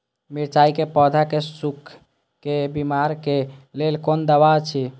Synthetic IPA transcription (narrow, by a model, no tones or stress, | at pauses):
miɾt͡ʃaikepɔd̪ʱakesukʰ | kebimaɾkelelkond̪əbat͡ʃʰi